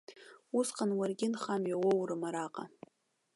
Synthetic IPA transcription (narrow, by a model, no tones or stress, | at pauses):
usqʰʼanwarɡʲɪnχamɥawowrɨmaɾaqʼa